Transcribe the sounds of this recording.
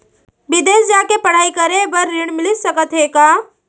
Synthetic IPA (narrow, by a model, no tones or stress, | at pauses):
bɪd̪esd͡ʒakepəɽ̤aːikəɾebəɾːiɽ̃mɪlit̪səkət̪ɦeka